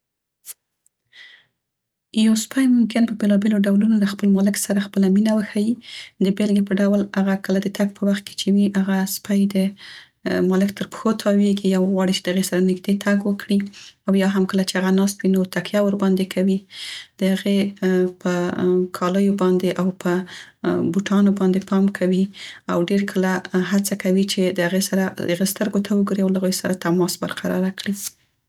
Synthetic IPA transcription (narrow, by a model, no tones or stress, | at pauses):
jawspajmʊmkɪnpəbelɑbeloɖawlunod̪axpəlmɑlɪksaɾaxpəlaminawəxajid̪əbelɡepəɖawlaɣakəlad̪ət̪ʰaɡ̚pʰəwaxt̪̚kʰe̥t͡ʃewiʔaɣaspajd̪ə | mɑlɪkt̪ʰəɾpə̥xot̪ʰɑweɡiawɣwɑɽit͡ʃe̥d̪əhaɣesaɾanɪɡd̪et̪ʰaɡwəkɽiawjɑɦamkəlat͡ʃeaɣanɑst̪winot̪akjawəɾbɑnd̪ekʰawid̪̥əhaɣepəkʰɑləjobɑnd̪eʔawpə | buʈʰɑnobɑnd̪epʰɑmkʰawiawɖeɾkʰəlahat͡sakawit͡ʃed̪əhaɣesaɾaəɣest̪əɾɡot̪ʰawəɡuɾiawlaaɣojosaɾat̪amɑsbəɾqʰaɾɑ̰ɾakɽi